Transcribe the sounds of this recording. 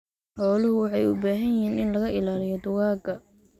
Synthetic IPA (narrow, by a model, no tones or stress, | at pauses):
ħɔːlʊɦʊwɑħɑjʊbaːɦɐnjɪɦiːnɪnlɐɣɐʔɪlaːlɪjɔd̪ʊɣaːɡɐ